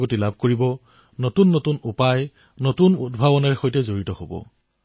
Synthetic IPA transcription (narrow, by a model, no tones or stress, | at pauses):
otilabʱkoɹibɔ | notunːotunupaj | notunudbʱabɔnaɹxojtɛzoɹitɔhobɔ̰